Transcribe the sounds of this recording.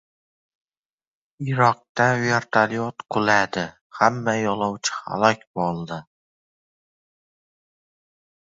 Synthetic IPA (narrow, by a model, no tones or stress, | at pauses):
ɪɾɒq̚t̪aveɾt̪ʰaliot̪qʰʊlad̪ɪ | hamːajɒlˠɒwt͡ʃʰɪ̥ha̰lˠɒkʲbɒlˠd̪ɪ